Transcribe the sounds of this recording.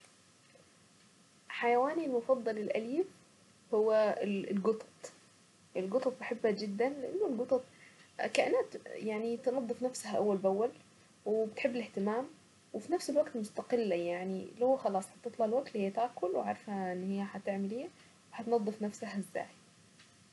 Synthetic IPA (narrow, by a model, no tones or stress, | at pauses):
ħajawaːnilmʊfɑd̪ˤːɑlɪlʔaliːb | hʊwːalɪlɡʊt̪ˤɑ̥t̪ˤ | ʔɪlɡʊt̪ˤɑt̪̚mʊħɪbːad͡ʒɪd̪ːanlɪʔa̰nːʊlɡʊt̪ˤɑt̪̚ˤkaʔɪnaːt̪jaʕnit̪nɑd̪ˤːɨfnafsahaʔawːalbawːal | wɪbɪt̪ħɪbːɪlɪht̪ɪmaːm | wɪfinafsɪlwaɡt̪mʊst̪aqɪlːajaʕnilhʊwːxɑlɑːsˤħɑt̪ɨt̪ˤlɑlwak̚t̪lhjːat̪aːkʊlwʕaɾˤfhaʔɪnːhɪjːaħat̪ɪʕmɪliː | wħat̪nɑd̪ˤːɨfnafsahʔɪzːa̰ːj